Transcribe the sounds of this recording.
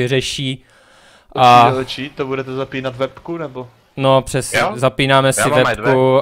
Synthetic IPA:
ɪrɛʃiː | ʔat͡ʃit̪obudɛt̪ɛzapiːnat̪vɛpkunɛbo | nopr̝̥ɛsɛzapiːnaːmɛsɪvɛpku

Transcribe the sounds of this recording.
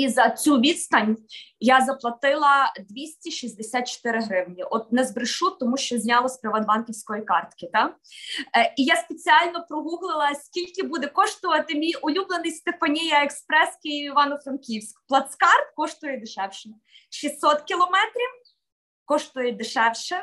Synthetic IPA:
izɐt͡sʲuʋʲid̪st̪ɐnʲjazɐplˠɐt̪ɪlˠɐd̪ʋʲisʲtʲiʃisʲd̪esʲat̪̚t͡ʃɔ̥t̪ɪɾɪɦɾɪwnʲiʔɔt̪̚nɛzbɾɪʃut̪ːɔmuʃt͡ʃɔzʲnʲɑlˠɔsʲpɾɪʋɐd̪ʋɑnkʲiwsʲkɔjikɑrt̪kɪt̪ɑ | ijaspet͡sʲiɑlʲnɔpɾɔɦuɦlˠɪlˠɐsʲkʲilʲkɪbud̪ɛkɔʃt̪ʊʋɐt̪ɪmʲijʊlʲublˠenɪjst̪efɐnʲijɐekspɾɛskʲɪjiiʋɑnɔfɾɐnkʲiwsʲkplˠɐt̪skɑrt̪̚kɔʃt̪ʊjɛd̪ɪʃɛwʃɪnɛ | ʃissɔt̪kʲilˠɔmɛt̪ɾʲiw | kɔʃt̪ʊjɛd̪ɪʃɛwʃɛ

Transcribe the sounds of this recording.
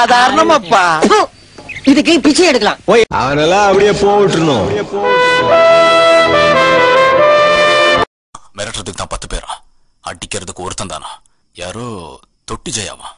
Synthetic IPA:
aːðaːɾɐɳɐmapːaː | ɪðɯkːɯpɪt͡ʃːɐjɛɽɯkːɐlã̰ːoːɐ̰ʋɐnɛlːãːɐpːɐɽɪjeːpoːʋɪʈːɾɯnʊ̃poːɪʈ | amɛːɾɐʈːɾɐt̪ɯkːɯt̪ãːpɐt̪ːɯpḛːɾã̰ː | ɐ̰ɖɪkːɪɾɐðɯkːɯɔɾɯt̪ːɐnt̪a̰ːnã̰ː | jaːɾoː | t̪ɔʈːɯd͡ʒɐja̰ːʋã̰ː

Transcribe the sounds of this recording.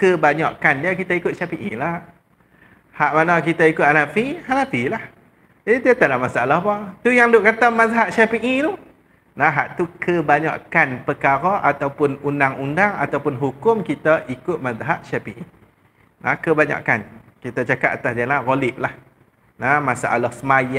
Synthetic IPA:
kəbaɲaʔkandiakit̪aikʊt̪̚ʃapiŋilah | haʔmanakit̪aikʊt̪̚anafihanafilah | d͡ʒadid̪iat̪adamasaʔalahbat̪ujaŋdʊʔkat̪amazaɦaʔ̪̚ʃapiŋit̪u | nãɦaʔt̪ukʰəbaɲa̰ʔkanpəkaɾaʔat̪awpʊnundaŋundaŋa̰t̪awpʊnɦukʊmkit̪aʔikʊt̪̚mãzaɦaʔ̪̚ʃapiʔi | nã̰kəbaɲa̰ʔkan | kit̪at͡ʃakat̪̚at̪asd͡ʒalaɣolɪʔlah | nãmasa̰ʔa̰lahsəmaja

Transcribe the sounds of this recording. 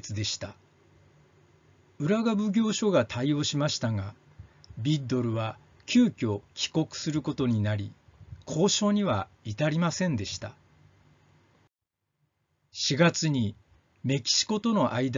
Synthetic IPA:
t͡sɨd̪e̞ɕi̥t̪a | ɯ̟ɾaɡabɯ̟ɡʲo̞ːɕo̞ɡat̪ʰaio̞ːɕimaɕi̥t̪aŋa | bʲid̪o̞ɾɯ̟βa | kʲɨːkʲo̞kʲi̥ko̞kɯ̥sɨɾɯ̟ko̞t̪o̞ɲ̟inaɾʲikʰo̞ːɕo̞ːɲ̟iβa | it̪aɾʲimasẽ̞nd̪e̞ɕi̥t̪a | ɕiɡat͡sɨɲ̟i | me̞kʲi̥ɕi̥ko̞t̪o̞no̞ʔaid̪

